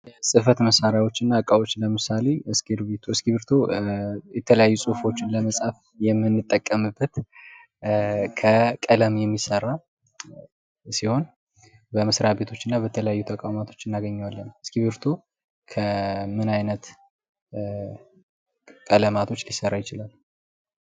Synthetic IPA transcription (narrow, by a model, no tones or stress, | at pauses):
ɛsʼɨfət̪məsaɾjawo̞t͡ʃːɨnːakʼawo̞t͡ʃːləmɨsale̞ɨskelbet̪ʰoɨskiβɨɾt̪ʰo̞jɛt̪ʰələjajːusʼufo̞t͡ʃːɪnləməsʼaf | jɛmːɨnːɨt̪ʼːəkʼːəmɨbːət̪ | kʰəkʼələmjɛmːisərːa | siho̞n | bəmɨsɾaβe̞t̪ʰo̞t͡ʃːɪnːabət̪ʰələjajːut̪ʰəkʼawmat̪ʰo̞̥t͡ʃːɨnːaɡəɲːawalːənɨskiβɨɾt̪ʰo̞ | kʰəmɨnajnət̪ | kʼələmat̪ʰo̞t͡ʃːlisəɾːajɪt͡ʃɪlal